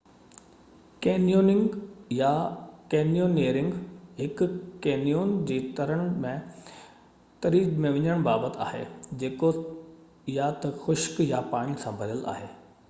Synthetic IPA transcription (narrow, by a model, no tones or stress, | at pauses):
keːnijoːnɪ̃ŋɡjakeːnjoːneːɾɪ̃ŋɡɦɪkkeːnijoːnd͡ʑeːt̪ɐɾəɽ̃mẽ | t̪ɐɾiːzmẽʋɪ̃ɲəɽ̃baːbət̪a̰ːɦḛːd͡ʑeːko | jat̪ɐxʊʃkjapaːɽ̃isãbʱɐɾəla̰ːɦeː